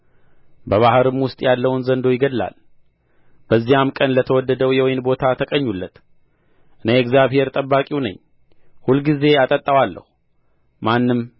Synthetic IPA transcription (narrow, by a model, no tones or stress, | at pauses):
bəβahɾɨmwʊst̪ʼjalːəwnzənd̪o̞jɪɡəd̪la̰l | b̥əzːijamkʼənlət̪ʰəwɔd̪ːəd̪əwjɛwɔjɪnbo̞t̪ʰat̪ʰəkʼəɲːulːət̪ | ʔɨneɛkzjaβhe̞ɾt̪ʼəbːakʼiwnə̰ɲː | hulɡize̞at̪ʼət̪ʼːəwalːə̰hu | manːɨm